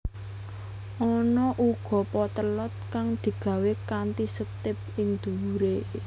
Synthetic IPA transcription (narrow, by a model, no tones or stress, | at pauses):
ʔɔnɔʔuɡ̥ɔ̤pɔt̪əlɔt̪̚kaŋd̪̥i̤ɡ̥ä̤wekant̪isət̪ɪp̚ɪŋd̪̥ṳwuɾe